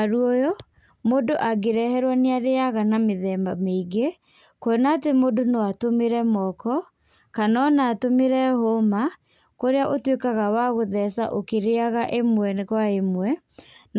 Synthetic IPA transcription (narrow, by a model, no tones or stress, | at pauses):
aɾuojo | modoʔaɡeɾɛhɛɾwaneaɾeaɣanameðɛmbameiɡe | koonaːtemodonowatomeɾɛmɔkɔ | kanɔnaːtomeɾɛhoma | koɾeaʔotwekaɣawaɣoðɛsa̰ʔokeɾeaɣaʔemwɛnɣwaemwɛ | n